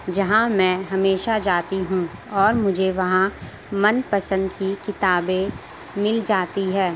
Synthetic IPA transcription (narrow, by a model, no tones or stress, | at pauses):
d͡ʒɐɦãmɛ̃ːɦɐmeːʃad͡ʒaːt̪iɦũɔːɾmʊd͡ʒʱeʋɐɦã | mɐnpɐsə̃nd̪kikɪt̪aːbẽ | mɪld͡ʒaːt̪iɦɛː